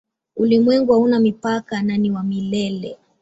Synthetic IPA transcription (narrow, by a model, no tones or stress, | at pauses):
ulimwɛŋɡuaunamipakananiwamilɛlɛ̰